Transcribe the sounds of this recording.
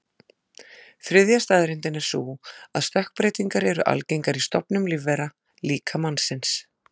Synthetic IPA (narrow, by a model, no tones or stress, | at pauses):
θɾɪðjast̪aːðɾɪnt̪ɪnɛɾ̥suːaðst̪ahk̚pɾejt̪iŋkaɾɛɾʏʔa̰lcejŋkaɾist̪ɔpnʏmlɪvɛɾa | liːkʰamansɪns